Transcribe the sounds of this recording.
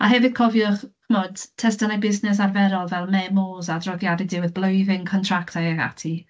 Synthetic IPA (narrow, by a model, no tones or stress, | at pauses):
aɦɛvɨd̥̚kʰɔvjʊχkʰəmoːd̥tʰɛstənajbɪsnɛs̬arvɛɾɔlˠvɛlˠmɛmoːzadrɔðjadɪdɪwɪðblˠojðɪŋkʰɔntʰraktʰajaɡa̰tʰi